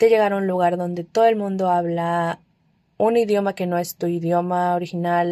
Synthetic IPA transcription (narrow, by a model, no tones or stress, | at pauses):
t̪eʝe̞ɣaɾaunluɣaɾðo̞nd̪e̞t̪o̞ðo̞e̞lmũnd̪o̞aβla | uniðjo̞make̞no̞e̞st̪uiðjo̞maoɾixinal